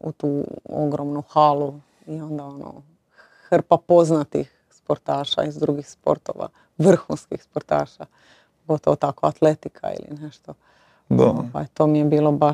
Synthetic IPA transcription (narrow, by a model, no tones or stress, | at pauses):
ṵt̪uːo̰ɡɾomnuxalu | io̞nd̪ao̞no̰ | xr̩papo̞znat̪ix | spo̞ɾt̪aːʃa̰izd̪ɾuɡixspo̞̰ɾt̪oːʋa̰ | ʋr̩xunskixspoɾt̪a̰ːʃa | ɡo̞t̪oʋot̪akoat̪let̪ikʰa̰ḭlḭneʃt̪o | d̪apa̰et̪o̞ːmijebiːlˠo̞ba